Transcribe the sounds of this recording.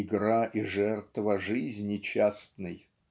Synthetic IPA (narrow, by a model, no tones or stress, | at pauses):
ɪɡɾaʔiʐɛrt̪vəʐɨzʲnʲɪt͡ɕast̪nɨj